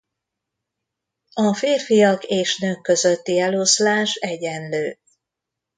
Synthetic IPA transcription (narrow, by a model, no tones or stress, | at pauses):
ɒfeːrfijɒkeːʃnøːkːø̞zø̞t̪ːiɛloslaːʃɛɟɛnløː